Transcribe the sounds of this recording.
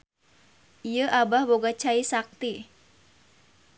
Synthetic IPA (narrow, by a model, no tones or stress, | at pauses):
ijəʔabahboɡat͡ʃaisak̚t̪i